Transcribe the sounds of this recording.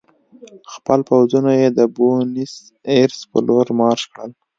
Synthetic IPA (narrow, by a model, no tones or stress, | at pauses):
xpəlpawzunajed̪əbonis | eɾspə̰loɾmɑɾʃkɽəl